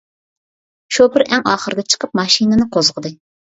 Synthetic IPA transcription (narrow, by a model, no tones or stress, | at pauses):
ʃubɪɾʔɛŋɑːχəɾɨd̪ɛt͡ʃʰə̥qʰəp̚mɑʃinɨnɨqʰozʁəd̪ɨ